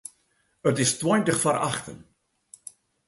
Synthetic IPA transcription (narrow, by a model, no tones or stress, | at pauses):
ətɪstwɔjntəχfaɾa̰χtə̰n